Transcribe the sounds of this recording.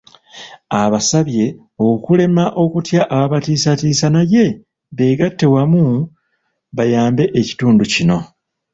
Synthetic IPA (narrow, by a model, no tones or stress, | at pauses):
aβasaβje̞ | o̞kule̞maʔo̞kutjaʔaβatiːsatiːsanaje̞ | βe̞ɡatːe̞wamu | βajaːmbe̞ʔeci̥tuːnducino̞